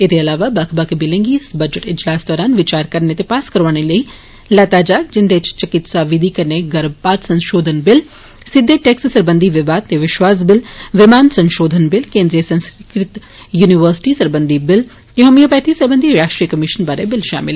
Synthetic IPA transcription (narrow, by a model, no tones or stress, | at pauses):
ɪd̪eɐlaːʋabakʰbakebɪlẽŋɡisbɐd͡ʒəʈɪd͡ʒlaːsd̪ɔːɾaːnʋɪt͡ʃaːɾkɐɾnet̪epaːskɐɾʋaːñelei | lɐt̪aːd͡ʒaːd͡ʒɪnd̪et͡ʃt͡ʃɐkɪt̪saʋɪd̪ʱikɐɾneɡɐɾbpaːt̪sɐ̃nʃoːd̪ʱənbɪl | sɪd̪ʱːeʈekssɐɾbə̃nd̪ʱiʋɪʋaːd̪̚t̪eʋɪʃʋaːs̬bɪlʋɪmaːnsɐ̃nʃoːd̪ʱənbɪlkẽːnd̪ɾijəsɐ̃nskɾɪkɾɪt̪ | juːniʋəɾsɪ̥ʈisɐɾbə̃nd̪ʱibɪl | k̪eɦɐmijopɛːt̪ʰisɐɾbə̃nd̪ʱiɾaːʃʈɾijəkɐmɪʃənbaːɾebɪlʃa̰ːmɪl